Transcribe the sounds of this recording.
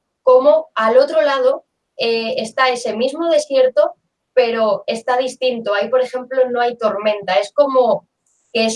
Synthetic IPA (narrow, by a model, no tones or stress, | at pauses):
ko̞moalo̞t̪ɾolað̞o̞ | eːst̪ae̞se̞mizmoð̞e̞sje̞ɾt̪o̞ | pe̞ɾo̞e̞st̪að̞ist̪int̪oaipo̞ɾe̞xe̞mplo̞no̞ajt̪o̞ɾmẽ̞nt̪ae̞sko̞mo | kes